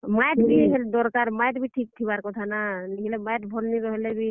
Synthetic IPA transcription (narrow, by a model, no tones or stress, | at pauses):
majʈbiɦɛld̪ɔɾkaɾmajʈbiʈʰik̚t̪ʰiβaɾkɔt̪ʰananiɦilɛmajʈbʱɔlniɾɔɦelɛbi